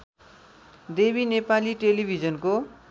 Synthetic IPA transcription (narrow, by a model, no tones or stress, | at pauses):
d̪ebinepaliʈelibʱid͡zʌnko